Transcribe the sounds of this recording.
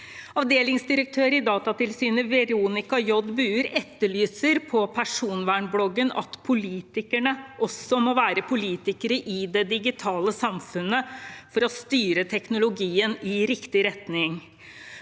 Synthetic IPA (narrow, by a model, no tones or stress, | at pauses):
ɑʋd̪eːlɪŋsd̪ɪɾək̚t̪ʰøːɾɪd̪ɑːt̪ɑt̪ɪlsyːnəʋɛɾuːnɪkɑjɔd̪bʉːəɾɛt̪ːəɭyːsəɾpʰɔpʰæʂuːnʋæːɳblɔɡːənɑ̰t̪pʰʊliːt̪ɪkəɳəʔɔsɔmoʋæːɾəpʰʊliːt̪ɪkəɾəʔɪd̪ɛd̪ɪɡɪt̪ʰɑːləsɑmfʉnːəfɔɾɔst̪yːɾət̪ʰɛknʊlʊɡiːənɪɾɪkt̪ɪɾɛt̪nɪŋ